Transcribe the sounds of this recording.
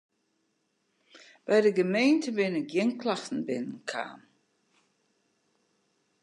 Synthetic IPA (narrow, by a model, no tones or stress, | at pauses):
b̥ɛjdəɡəmeːntəbɪnəɡjɪnklaxtn̩bɪnənkʰa̰ːm